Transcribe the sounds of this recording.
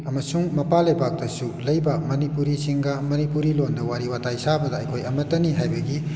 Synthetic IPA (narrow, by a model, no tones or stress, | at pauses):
ɐmɐsuŋmɐpalɐjbak̚d̥ɐsulɐjbɐmɐnipuɾisiŋɡɐmɐnipuɾilondɐwaɾiwatajsabɐdɐɐjkʰojɐmɐtɐniɦajbɐɡi